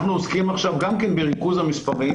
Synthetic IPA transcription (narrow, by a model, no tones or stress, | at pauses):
χnuoskimaχʃavɡamkenbeʁikuzhamispaʁi